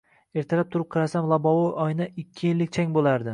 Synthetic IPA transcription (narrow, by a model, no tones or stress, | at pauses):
e̞ɾt̪ʰaɾap̚t̪ʰʊɾɪp̚qʰɨɾasamlˠabɒwɒjʔɒjnaɪkʲʰːɪjɪlːɪkʲt͡ʃʰaŋʲbolaɾd̪ɪ